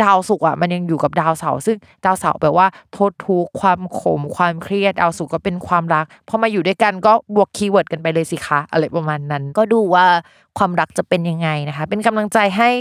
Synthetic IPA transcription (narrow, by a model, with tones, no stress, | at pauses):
daː˧wsu˨˩k̚ʔa̰˨˩ma˧nja˧ŋjuː˨˩ka˨˩p̚daː˧wsa̰˩˦wsɯ˥˩ŋ | d̥aː˧wsa˨˦wbɛ̰ː˨˩p̚waː˥˩t̪ʰoː˦˥t̪ʰːuː˦˥kʰwaː˧mkʰo̰˩˦mkʰwaː˧mkʰɾi˥˩ət̪̚daː˧wsu˨˩kːɔː˥˩pe˧nkʰwaː˧mɾa˦˥k̚pʰɔ˦˥maː˧juː˨˩duː˥˩jka˧nkɔː˥˩bu˨˩əkʰːiː˧wɤː˨˩t̪̚ka˧npa˧jlɤː˧jsi˨˩kʰa˦˥ʔa̰˧ɾaː˧jpɾa˧maː˧nːa˦˥nkɔː˥˩duː˧waː˥˩ | kʰwaː˧mɾa˦˥k̚t͡ɕa˨˩pe˧nja˧ŋːa˧jna˦˥kʰa˦˥pe˧nka˧mla˧ŋt͡ɕa˧jɦa˥˩j